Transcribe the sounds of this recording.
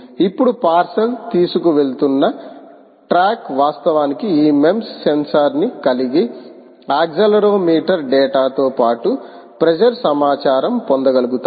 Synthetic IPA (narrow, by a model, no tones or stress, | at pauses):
ipːuɽupaːɾsɐlt̪iːsukuʋe̞ɭt̪unːɐ | ʈɾaːkʋaːst̪ɐʋaːnikiiːme̞msːensɐɾnikɐliɡi | aːɡd͡ʒɐlɐɾoːmiːʈɐɾɖɛːʈaːt̪oːpaːʈu | pɾed͡ʒɐɾsɐmaːt͡ʃaːɾɐmpond̪ɐɡɐluɡut̪ː